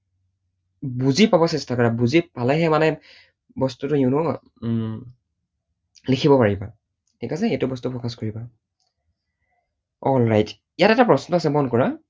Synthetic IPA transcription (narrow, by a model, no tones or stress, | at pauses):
buzipabɔsɛstakɔɹabuzipalɛɦɛmanɛ | bɔstutʊiʊnɔ | likʰibɔpaɹiba | tʰikas̬ɛejtʊbɔstupʰɹɔkaskoɹiba | ɔlɹajt | ijatɛtapɹɔsnɔasɛmɔnkɔɹa